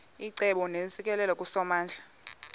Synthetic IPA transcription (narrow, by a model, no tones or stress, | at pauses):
iǀɛɓɔnesik̬ʼɛlɛlakʼusɔmaːnd͡ɮʱa